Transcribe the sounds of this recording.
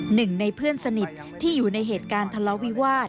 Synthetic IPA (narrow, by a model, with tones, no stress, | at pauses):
nɯ˨˩ŋna˧jpʰɯ˥˩ənsa˧ni˨˩t̪̚ʰːiː˥˩juː˨˩na˧jɦeː˨˩t̪̚kaː˧nt̪ʰa˧lɔ˦˥wi˦˥waː˥˩t̪̚